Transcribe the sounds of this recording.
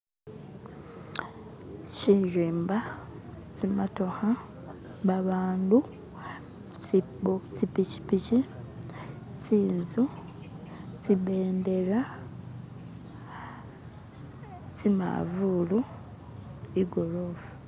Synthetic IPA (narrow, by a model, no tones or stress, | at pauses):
ciɾiːmba | t͡simatoha | βaβaːndu | t͡ʃipici̥pici | t͡siːnzu | t͡siβeːnde̞ɾa | t͡sima̰vulu | iɡo̞loːfu̥